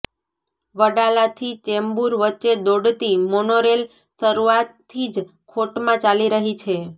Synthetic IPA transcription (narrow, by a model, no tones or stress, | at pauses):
ʋəɖalat̪ʰit͡ʃɛmbuɾʋətːt͡ʃːed̪oɽt̪imonoɾel | ʃəɾuat̪ʰːid͡ʒ | kʰoʈmãt͡ʃaliɾəɦit͡ʃʰe